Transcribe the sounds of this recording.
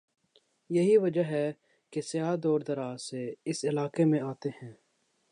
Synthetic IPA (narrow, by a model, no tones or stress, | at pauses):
jɐɦiʋɐd͡ʒəɦɛ | kesɪjaːd̪ɔːɾd̪ɐɾaːseɪsɪlaːkemẽaːt̪eɦɛ̃ː